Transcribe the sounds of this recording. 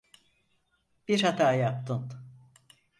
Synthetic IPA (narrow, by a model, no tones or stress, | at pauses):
b̥iɾhat̪ʰajap̚t̪ʰɯn